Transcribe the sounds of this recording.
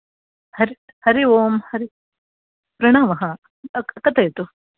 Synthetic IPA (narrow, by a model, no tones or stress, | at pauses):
hɐɾi | hɐɾiʋoːmhɐɾi | pɾɐɳaːmɐɦɐ | ɐkɐt̪ɐjt̪u